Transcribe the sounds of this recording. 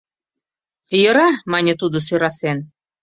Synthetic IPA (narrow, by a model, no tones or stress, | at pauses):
jə̆ɾɑmɑnʲət̪ud̪əs̬øɾɑsen